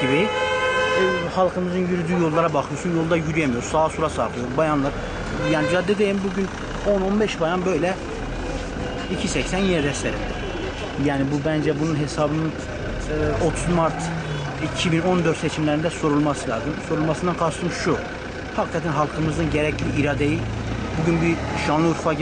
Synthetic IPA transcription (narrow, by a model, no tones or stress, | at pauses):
ibi | hɑlˠkʰɯmɯzɯnjyɾyd̪yːjo̞lˠːaɾabaxɯjoɾsunjolˠd̪ajyɾyjɛmijoɾsaːsuɾasaɾt̪ʰˠɯjoɾbajanlˠaɾ | jaːnid͡ʒad̪ːɛd̪ejimbuɟyn | o̞nonbɛʃbajanbø̞jlʲɛ | icʰisɛcsænjinɛd̪ɛst̪ɛɾḭm | jæːnibubænd͡ʒɛbununɦe̞sɑbɯnɯ | o̞t̪ʰuzmaɾt̪ʰ | icʰibino̞nd̪øɾt̪set͡ʃʰimlæɾind̪æso̞ɾulˠmɑsɯlˠɑːzɯmso̞ɾulˠmɑsɯnd̪ɑnkʰɑʃt̪ʰɯmɯʃʃu | hɑkʰkʰat̪ʰænɦɑlˠkʰɯmɯzd̪ɯnɟɛɾɛæcʰlʲiiɾaːd̪eji | buɟynbiɾʃɑnlˠɯuɾfa